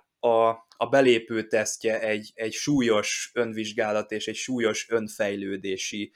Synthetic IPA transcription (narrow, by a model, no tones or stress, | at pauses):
ɒ | ɒbɛleːpøːt̪ɛscɛɛɟːɛcʃuːjo̞ʃø̞nviʒɡaːlɒt̪eːʃɛcʃuːjo̞ʃønfɛjløːd̪eːʃi